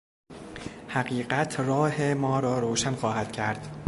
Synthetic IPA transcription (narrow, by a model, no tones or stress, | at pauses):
hæɢiːɢæt̪ʰrɒːhemɒːɾɒːɾoːʃænxɒːhæd̪̥cʰæɾd̪̥